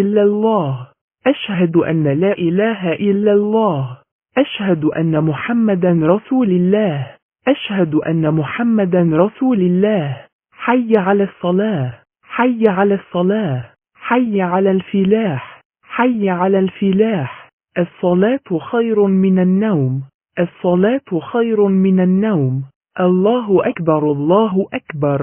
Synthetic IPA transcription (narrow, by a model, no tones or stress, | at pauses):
ʔɪlːalˤːɑːh | ʔaʃhad̪ʔa̰nːalaːʔɪlaːɦaʔɪlːalˤːɑːh | ʔaʃhad̪ʔa̰nːamʊħamːad̪anɾˤɑsuːlɪlːaː | ʔaʃhad̪ʔa̰nːamʊħamːad̪anɾˤɑsuːlɪlːaːh | ħajːʕalaːsˤːɑlɑː | ħajːʕalaːsˤːɑlɑːħ | ħajːʕalaːlfɪlaːħ | ħajːʕalaːlfɪlaːħ | ʔɑsˤːɑlɑːt̪xajɾʊmɪnanːawm | ʔɑsˤːɑlɑːt̪xajɾmɪnanːawm | ʔɑlˤːɑːɦʊʔakbɑɾˤɑlˤːɑːɦʊʔakbɑɾˤ